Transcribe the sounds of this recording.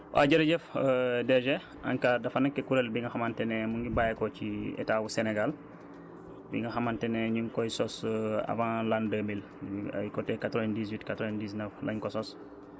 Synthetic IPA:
wʔa̰ɟɐɾɟɛfdɛʒɛ | a̰ŋkadɐfanɐkːɛkuɾɛlbiŋɡɐxamantɛnɛmuŋɡibajɛkɔciɛ̰tabusɛnɛɡal | bḭŋɡɐxamantɛnɛɲiŋkɔjsɔsa̰vãːlandəmil | ikɔtɛkatɾɛndis̬witkatɾɔɛndiːsnəflɐ̰ɲkɔsɔs

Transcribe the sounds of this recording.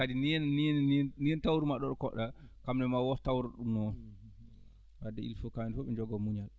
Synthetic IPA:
kadiniɛnːinniɛntawɾumaɗːɔɗɔkɔɗːakamnɛmawɔtawɾaɗumnɔn | wadːɛilfɔkamɛnfɔɓɛnd͡ʒɔɡɔmuɲal

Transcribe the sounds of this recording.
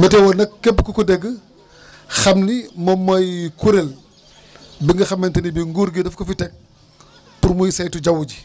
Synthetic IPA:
mɛtɛwɔnɐkːep̬ːkukudɛɡːə | xɐmnimɔmːɐjkuɾel | biŋɡɐxɐmːentɐnibiŋɡuɾɡidɐfkɐfitɛk̚ | puɾmujsɐjtuɟɐwuɟi

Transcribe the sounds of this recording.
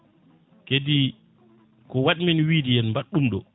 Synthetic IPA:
kedi | kɔwaɗiminwidijɛnmbaɗːumɗɔ

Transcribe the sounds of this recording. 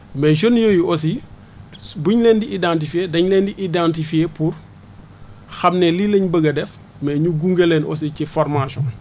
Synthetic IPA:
mɛːʃ̬onjojiɔsi | buɲlɛndiʔidãnt̬ifiedɐɲlɛːndiʔidãntifiepur | xɐmnɛlileɲbəɡɐdɛf | mɛːɲuɡuŋɡelɛnɔ̰s̬icifɔɾmasɔ̃n

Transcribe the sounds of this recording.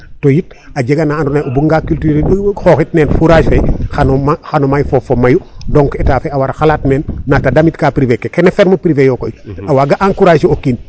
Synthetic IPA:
tojit̚ | aɟeɡanaːndunajobuŋɡakyltyɾxoːxit̚nɛːnfuɾaːʃfexanoaxanomajfofomajudɔŋkɛtaːfeawaɾaxalaːt̚nɛːnnatadamitkaːpɾivekekɛnefɛɾmɐpɾivejɔkojawaːɡaʔaŋkuɾaːʃiokiːn

